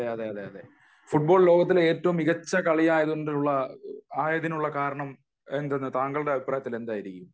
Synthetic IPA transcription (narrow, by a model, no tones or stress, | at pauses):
ɐeɐðeɐðe̞ɐðe̞ | fuʈ̚bo̞ːɭlo̞ːɡɐt̪̬ːile̞ːtːɐʋumiɣɐt͡ɕːɐkɐɭijaːjɐðuoɳɖiluɭːɐaːjɐðinuɭːɐkaːɾɐɳɐm | end̪enːɨt̪aːŋɡɐɭɽe̞ɐʋipraːjɐt̪ːile̞nd̪aːjiɾikʲːum